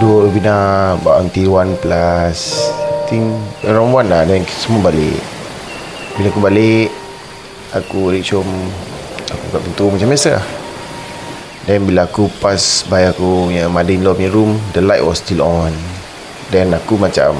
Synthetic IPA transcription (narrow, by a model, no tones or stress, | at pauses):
duəbinaba̰ʔɔnt̪iwanplast̪iŋɾanwanlahdɛnsəmuabalɪ̰ʔ | bilaakubaleʔ | akuliʔ̚t͡ʃɔm | akṵɡaʔpint̪umat͡ʃamjasa | dɛnbilaːkupasbajakujəmadəinlɔmiɾumdəlajʔ̚wɔstilɔn | dɛnakumat͡ʃa̰m